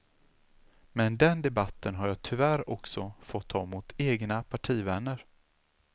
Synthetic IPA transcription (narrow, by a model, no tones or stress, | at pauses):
mɛnd̪ɛnd̪ɛbat̪ːənɦaɾjɑːt̪ʰɵvæɾɔksɔfɔt̪ʰːɑːmʊt̪ʰeːɡnapʰaʈʰiːvɛnːəɾ